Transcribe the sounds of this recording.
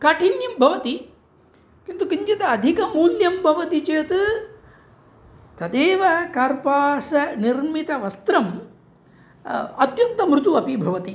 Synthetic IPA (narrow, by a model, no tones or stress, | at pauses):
kɐʈʰinjɐmbʱɐʋɐt̪i | kint̪ukiɲt͡ʃɐt̪ɐːd̪ʱikɐmuːljɐmbʱɐʋɐt̪it͡ʃeːt̪ɨ | t̪ɐd̪eːʋɐkɐɾpaːsɐniɾmit̪ɐʋɐst̪ɾɐm | ɐt̪jɐnt̪ɐmɾut̪uɐpibʱɐʋɐt̪i